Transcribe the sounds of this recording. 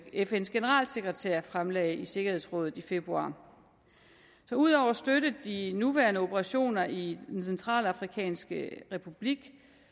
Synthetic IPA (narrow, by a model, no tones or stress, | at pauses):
efensɡ̥e̝nəʁɑ̰̈ːlse̝ɡ̥ʁɛt͡sʰeɐ̰fʁamlɛɪise̝ɡ̥ɐhe̝ðˠsʁɔ̽ðð̩ˠife̝b̥ʁuɑ̰̈ː | sɒ̽uð̞̰ˠɒʊ̰ɐsd̥øɾ̥əð̩ˠd̥inuʋæɐnəo̝b̥ʰəʁɑ̈ɕo̝̰ːnɐid̥ensent͡sʰʁɑ̰̈ːlɑ̈fʁikʰɛ̰ːnsɡ̥əʁɛpʰub̥liɡ̥